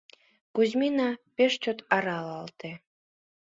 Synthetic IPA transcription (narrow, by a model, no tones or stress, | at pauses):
kuzʲmʲinapʲeʃt͡ɕot̪ɑɾɑlɑlˠt̪e